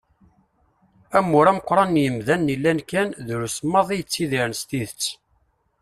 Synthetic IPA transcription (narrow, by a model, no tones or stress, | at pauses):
æmːʊɾæməqʷːɾˤɑnjəmðænːilːænkænðɾusmːɑðˤijət͡sːiðiɾənst̪iðət͡sː